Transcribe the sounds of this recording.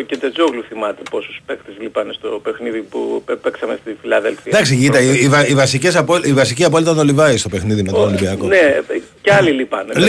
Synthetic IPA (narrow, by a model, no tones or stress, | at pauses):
cet̪ed͡zoɣluθimɐt̪eposu̥spekt̪ezlipɐnest̪o̞pexniðipṵpepeksɐmest̪ifilɐðelfiɐd̪ɐksiʝit̪ɐiivɐivɐsicesɐpoivɐsiciɐpo̞lit̪ɐno̞livɐist̪o̞pexniðimet̪onolimbiɐkoneceɐlilipɐnel